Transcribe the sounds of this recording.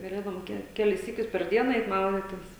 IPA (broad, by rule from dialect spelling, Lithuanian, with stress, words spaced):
ɡɐˈlʲeːdɐʋoːm ˈkʲɛ ˈkʲæːlʲɪs ˈsʲiːkʲʊs pʲɛr ˈdʲiɛnɐ ˈɛɪt ˈmɐʊdʲɪtʲɪs